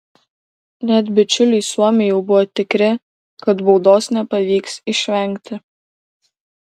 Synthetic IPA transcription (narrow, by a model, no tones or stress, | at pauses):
nʲɛt̪bʲɪt͡ʃʲʊlʲʊɪsuɔmʲɪjɛʊbʊʋɔt̪ʲɪkɾʲɪ | kɐt̪bɔʊd̪oːsnʲɛpɐʋʲiːksɪʃʲʋʲɛˑŋʲkt̪ʲɪ